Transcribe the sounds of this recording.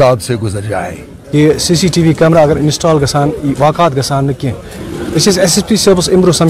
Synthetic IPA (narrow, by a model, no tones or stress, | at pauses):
aːd̪seɡʊzəɾd͡ʒa̰ːḛ | kesiːsiːʈiːʋiːkɛːmɾaːɐɡəɾɪnsʈaːlɡɐsaːnʋaːkaːt̪̚ɡɐsaːnːɐkːẽ | ɪsesesespiːseɾbsɪmɾosɐm